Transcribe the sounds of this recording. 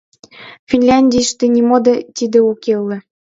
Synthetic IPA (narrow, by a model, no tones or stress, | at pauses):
fʲinʲlʲanʲdʲijʃt̪enʲimod̪ɤ̆t̪ʲid̪ĕukelːĕ